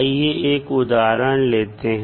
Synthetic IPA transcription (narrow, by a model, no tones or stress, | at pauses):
ijeʔeːkʊd̪aːɾənleːt̪eɦ